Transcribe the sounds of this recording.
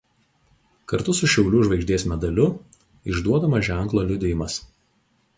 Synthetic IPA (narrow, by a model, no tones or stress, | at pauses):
kɐɾt̪ʊsʊʃʲɛʊlʲuʒʋɐɪɡʒʲd̪ʲeːsmʲɛd̪ɐlʲʊ | ɪʒd̪uɔd̪ɐmɐʒʲæˑŋˑklˠoːlʲʊd̪ʲɪjɪmɐs